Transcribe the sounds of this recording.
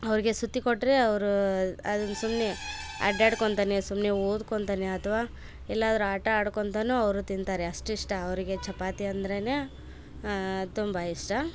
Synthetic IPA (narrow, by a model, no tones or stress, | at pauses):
ɐʋɐɾiɡe̞sut̪ːikoʈːɾeɐʋɐɾuɐ̰d̪unːsumneɐ̰ɖaːɽkoɳt̪aːnesumneoːd̪koɳt̪aːneɐt̪ʰɐʋaː | ɛlːaːd̪ɐɾuaːʈɐaːɽkont̪anuɐʋɾut̪ind̪t̪aːɾeɐʂʈiʂʈɐːʋɐɾiɡe̞t͡ʃɐpaːt̪iɐnd̪ɐɾene̞ | t̪umbɐiʂʈɐ